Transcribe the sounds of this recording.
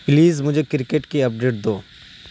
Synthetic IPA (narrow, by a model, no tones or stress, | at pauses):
pliːzmʊd͡ʒʱekɪɾɪkeʈkiɐp̚ɖeːʈ̚d̪oː